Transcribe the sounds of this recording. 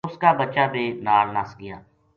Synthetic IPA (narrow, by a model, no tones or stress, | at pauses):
ʊskaːbət͡ʃaːbeːnaːlnasɡɪja̰ː